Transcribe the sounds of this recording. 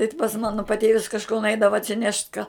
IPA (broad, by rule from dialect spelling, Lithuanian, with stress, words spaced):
ɪ t pɐs ˈmɑːnoː pɐˈtʲeːʋʲɪs kɐʃˈkoː nʊˈɛɪdɐʋɐ ɐtʲsʲɪˈnʲɛʃt kɑː